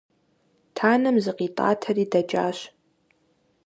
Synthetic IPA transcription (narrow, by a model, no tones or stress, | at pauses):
tʰaːnɐmzɨqʼitʼa̰ːtʰɐriːdɐd͡ʒʼa̰ːɕ